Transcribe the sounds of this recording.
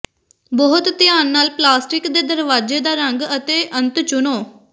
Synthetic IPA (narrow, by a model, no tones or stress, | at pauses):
bɔɦʊt̪t̪ɪjaːnːaːlplaːsʈɪkd̪eːd̪əɾʋaːd͡ʒeːd̪aːɾəŋɡət̪eːʔənt̪t͡ʃʊnoː